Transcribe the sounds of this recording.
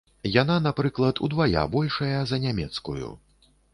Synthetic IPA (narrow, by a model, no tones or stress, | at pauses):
jan̪anapɾɨklˠɐt̪ʰṵd̪vaja̰bɔlʲʂɐjɐzɐnʲamʲɛt̪skujṵ